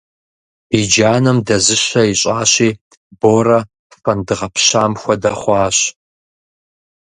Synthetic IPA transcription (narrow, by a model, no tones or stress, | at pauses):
bid͡ʒaːnɐmdɐzɨɕɐjɪɕʼaːɕiː | boːrɐ | fɐndɨʁɐpʰɕaːmxʷɔdɐχʷɑːɕ